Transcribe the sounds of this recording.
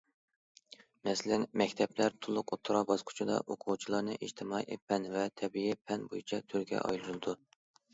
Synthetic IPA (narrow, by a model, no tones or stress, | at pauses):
mɛsɪlɪnmɛkʲt̪ʰɛplæɾt̪ʰulˠːʊqot̪ʰːɾɑbɑsqʰʊ̥t͡ʃʰid̪ɑ̰ʔoqʰʊwt͡ʃʰilˠɑnɨʔiʃt̪ʰɪmɑijʔepʰɛnvɛt̪ʰɛbijɛpʰɛnbo̰jit͡ʃʰɛt̪ʰyɾɡʲɛ̰ʔɑ̰jlˠuɾlˠɨd̪u